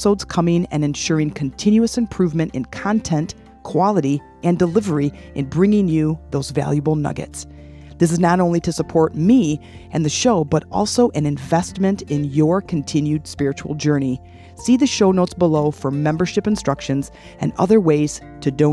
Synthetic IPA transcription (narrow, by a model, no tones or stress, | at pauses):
soʊdz̥kʰʌmɪ̃ŋɨ̰̃nɨ̃nʃʊɹɪ̃ŋkʰɨn̩tʰɪ̃njuɨsɨ̃mpʰɹ̥ʉvmɨ̃ñtɨ̰̃nkʰɑ̃ntʰɛ̃nt | kʰw̥ɑlˠəɾi | ʔɨ̃ndəlɪvə˞i | ʔɨ̃nbɹɪ̃ŋɪ̃ŋjɨðoʊzvæ̰lˠjɨbl̩ˠnʌ̰ɡɨ̰ts | ðɪs̬ɨznɑɾõʊ̃nliɾɨsəpʰɔɹt̚mi | ʔɨ̃nðɨʃoʊbʌɾɔ̰lˠsoʊʔɨ̃nɨ̃ɱvɛstmɨ̃ntɪ̃njə˞kʰɨ̃n̩tʰɪ̃njʉd̥spɪɹɨt͡ʃul̩ˠd͡ʒɜ˞ni | siðɨʃoʊnoʊtsb̥əloʊfə˞mɛ̃mbə˞ʃɨpɨ̃n̩stɹ̥ʌkʃɨ̃nz | ɨ̃nʌ̰ðə˞weɪz̥ | tʰɨdõʊ̃